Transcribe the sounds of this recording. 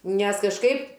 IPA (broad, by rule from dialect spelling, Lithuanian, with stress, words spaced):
nʲɛs kɐʃˈkɐɪp